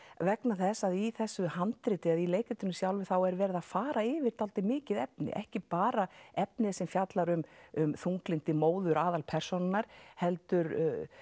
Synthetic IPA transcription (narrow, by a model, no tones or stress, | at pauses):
vɛknaθɛsːaðiθɛsːʏhant̪ɾɪːt̪ɪaðileːjkɪt̪ɪnʏmsjawlvʏθawɛɾvɛːɾɪðaðfaːɾaɪːvɪɾ̥t̪alt̪ɪmɪːcɪðɛpnɪ̰ʔɛ̰hcɪpaːɾaɛp̚nɪsɛmfjat̪laɾʏmʏmθuŋklint̪ɪmoːwðʏɾaːðalpʰɛr̥sonɪnaɾ̥hɛlt̪ʏɾ